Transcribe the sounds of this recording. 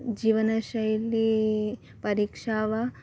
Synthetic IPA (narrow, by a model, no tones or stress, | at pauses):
d͡ʒiːʋɐnɐʃɐjɐlːi | pɐɾiːkʂaːʋɐ